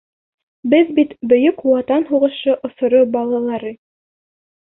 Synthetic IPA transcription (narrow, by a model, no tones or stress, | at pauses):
bɘðbit̪bɵ̆jɵkwɑt̪ɑnɦuʁɤ̆ʃɤʔŏθŏɾobɑlˠɑlˠɑɾɤ